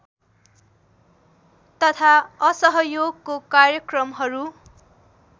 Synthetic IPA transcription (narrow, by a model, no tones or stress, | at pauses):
t̪ʌt̪ʰaʌsʌɦʌjoɡkokarjʌkrʌmɦʌɾu